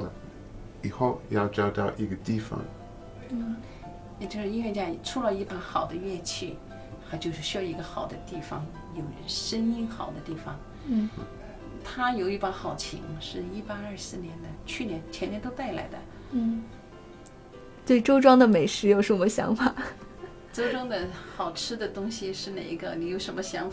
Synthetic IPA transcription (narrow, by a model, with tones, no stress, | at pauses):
i˨˩xo˥˧ʊjɑ˥˧ʊt͡ɕjɑ˥ʊt̪ɑ˥˧ʊʔi˥˧˩ɡə˧t̪i˥˩fɑ̰˨˩ŋ | n̩˥˩ | ɛ˧t͡ɕjo˥˧ʊʂɻ̩˥˧i˥nɥɛ˥˧t͡ɕja˥˩˨ʈ͡ʂʰu˥lə˧i˥˩pa˧˥xɑ˨˩ʊd̪ə˦ɥɛ˥˧t͡ɕʰi˥˩ | xa˧˥ɪt͡ɕjo˥˧ʊʂɻ̩˥˩ɕy˧˥jɑ˥˩ʊi˧˥ɡə˧xɑ˨˩ʊd̪ə˦t̪i˥˩fɑ˨˩ŋ | jo˨˩ʊʂə˥ni˥nxɑ˨˩ʊd̪ə˦t̪i˥˩fɑ˩ŋ | n̩˥˩ | t̪ʰa˥jo˨˩ʊi˥˩pa˧˥xɑ˨˩ʊt͡ɕʰḭ˧˥ŋʂɻ̩˥˩i˥pa˥ɐ˞˥˧sɹ̩˥˩njɛ˧˥nd̪ə˧t͡ɕʰy˥˩njɛ˧˥nt͡ɕʰjɛ˧˥njɛ˧˥nt̪o˥ʊt̪a˥˩ɪla̰˧˥ɪd̪ə˧˥˩ | t̪we˥˩ɪʈ͡ʂo˥ʊʈ͡ʂwɑ˥ŋd̪ə˨me˨˩ɪʂɻ̩˧˥jo˧ʊʂɻ̩˥˩wɔ˨˩mə˦˥ɕjɑ̰˧˥ŋfa˨˩ | t͡so˥ʊʈ͡ʂɑ˥ŋd̪ə˨xɑ˨˩ʊʈ͡ʂʰɻ̩˥d̪ə˨t̪ʊ˥ŋɕi˨ʂɻ̩˥˩ne˨˩i˧˥ɡə˧ni˧˥jo˧˥ʊʂə˧˥nmə˧ɕjɑ˧˥ŋf